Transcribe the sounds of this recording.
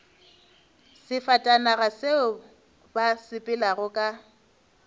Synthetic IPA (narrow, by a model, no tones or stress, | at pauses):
sɪfatʼanaɣaseʊ | basɪpʼɪlaɣʊkʼa